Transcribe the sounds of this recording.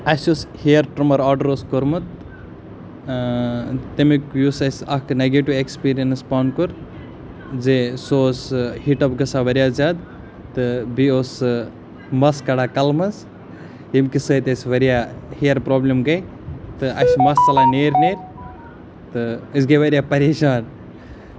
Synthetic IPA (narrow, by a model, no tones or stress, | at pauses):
ɐsoshijɐɾʈɾumɐɾaːɖɐɾoːskoɾmɐt̪ | t̪emikjusɐsʲɐkʰneɡeʈiʋekspiːɾijɐnspaːnkuɾ | zesoːshiʈɐbɡɐsaʋɐɾijaːzad̪ | t̪ɨbioːs | mɐskɐɽaːkɐlmɐs | jimkisəːt̪esʋɐɾjaːhiɐɾpɾoːblemɡɐj | t̪ɨʔɐsʲmɐst͡sɐlaːneːɾʲneːɾʲ | t̪ɨɨsɡɐʋɐɾʲijaːpɐɾeːʃaːn